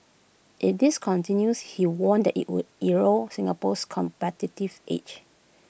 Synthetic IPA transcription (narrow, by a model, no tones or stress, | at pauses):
ʔidiskʰɔ̃ntĩnjushiwɔ̃ndɛtḭʔwṵdiɹosĩŋapɔskʰɔ̃mpɛtitivʔḛt͡ʃ